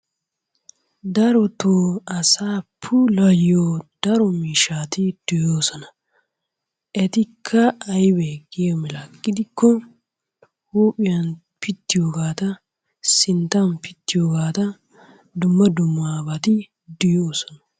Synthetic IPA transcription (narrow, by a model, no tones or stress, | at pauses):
d̪ɐɾɔt̪oɐsaːpʰːʊlɐjːoːd̪̥ɐɾɔmiːʃaːt̪ɪd̪̥ʊjoːsɔnɐ | ʔɛt̪ɪkʰːɐːjbeɡemɪlakʼːɪd̪ɪkːɔ | huːpʼɪjɐn | pɪt̪ːɪjoːɡaːt̪ɐ | sɪnt̪ɐnpɪt̪ːɪjoːɡaːt̪ɐ | d̪ʊmːɐd̪ʊmːaːbɐt̪ɪ | d̪ʊjoːsɔ̥nɐ̥